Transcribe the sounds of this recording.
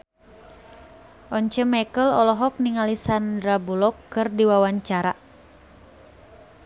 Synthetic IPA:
ʔɔɲt͡ʃəmɛkəlɔlɔɦɔk̚niŋalisandɾabulɔkːɨrdiwawaɲt͡ʃaɾa

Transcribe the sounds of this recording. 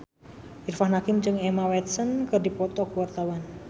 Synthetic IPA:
ʔirfahnakɪmd͡ʒɨŋɛmawɛt̪̚sənkərdipɔt̪ɔkuwart̪awan

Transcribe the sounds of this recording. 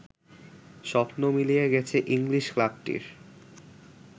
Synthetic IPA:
ʃɔpnomilijeɡɛt͡ɕʰeʔiŋliʃklab̚ʈḭɾ

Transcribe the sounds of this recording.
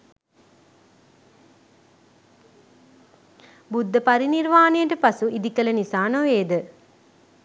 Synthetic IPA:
bud̪ʱːəpɐɾiniɾʋaːnejəʈəpɐsuʔid̪ikɐlɐnisaːnoʋeːd̪ə

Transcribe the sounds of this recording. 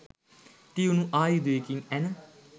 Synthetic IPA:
ʈiunũːʔaːid̪eːkiŋɛn

